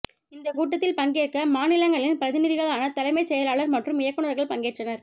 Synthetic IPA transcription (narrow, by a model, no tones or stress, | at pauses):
ɪnd̪ɐkuːʈːɐt̪ːɪlpɐŋɡeːɾkɐmaːnɪlɐŋɡɐɭɪnpɾɐðɪnɪðɪɣɐɭaːnɐt̪ɐlɐɪmɐɪsɛjɐlaːɭɐɾmɐʈrɯmɪjɐkːɯɳɐɾɣɐɭpɐŋɡeːʈrɐnɐɾ